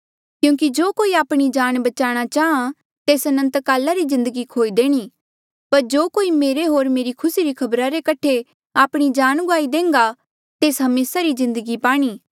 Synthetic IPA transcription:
kjũːkid͡ʒoːkoːiaːpɽ̃id͡ʒaːɽ̃bɐt͡ʃaːɽ̃at͡ʃaːɦã | t̪eːsɐnə̃nt̪kaːlaɾizɪ̃nd̪əɡikʰoːid̪eːɽ̃i | pɐɾd͡ʒoːkoːimeːɾeɦoːɾmeːɾikʰʊsiɾikʰɐbɾaɾekɐʈʰe | aːpɽ̃id͡ʒaːñɡʊaːid̪ẽːŋɡa | t̪eːsɦɐmeːsaɾizɪ̃nd̪əɡipaːɽ̃iː

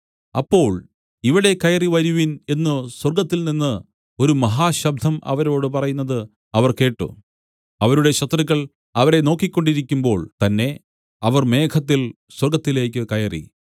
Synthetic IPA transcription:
ɐpːo̞ːɭ | iʋiɽe̞kɐjɐriʋɐɾuʋine̞nːɨswɐrɡɐt̪ːilninːɨ | o̞ɾumɐɦaːɕɐb̚d̪ʱɐmʔɐ̰ʋɐɾo̞ːɽɨp̬ɐrɐjunːɐðɨ | ɐʋɐrke̞ːʈːṵ | ɐʋɐɾuɽe̞ɕɐt̪riɣɐɭ | ɐʋɐɾe̞no̞ːkːikʲːo̞ɳɖiɾikʲːumbo̞ːɭt̪ɐnːe̞ | ɐʋɐrme̞ːkʰɐt̪ːil | swɐrɡɐt̪ːile̞ːkʲːɨkɐjɐrḭ

